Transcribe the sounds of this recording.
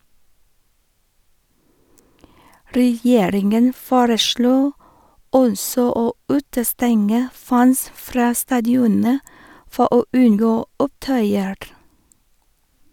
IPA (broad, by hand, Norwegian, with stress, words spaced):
ɾɛˈjeːɾɪŋən ˈfoːɾəˌʃɭoː ˈɔnsɔ ˈoː ˈʉːtəˌstɛŋə ˈfæns ˈfɾɑː stɑːdɪˈɔnə ˈfɔ ˈoː ˈʉnˌɡoː ˈʊpˌtœʏəɹ